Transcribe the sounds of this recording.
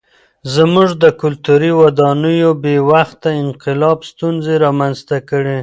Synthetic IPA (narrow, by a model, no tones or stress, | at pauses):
zmuʐd̪əkʊlt̪uɾiwad̪ɑnəjobewaxt̪aɪnqɪlɑbst̪unzeɾɑmanzt̪akəɽe